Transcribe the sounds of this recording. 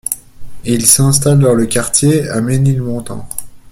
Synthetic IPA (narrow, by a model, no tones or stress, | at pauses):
ilsɛ̃st̪ald̪ɑ̃ləkʲaʁt̪jeamenilmɔ̃t̪ɑ̰̃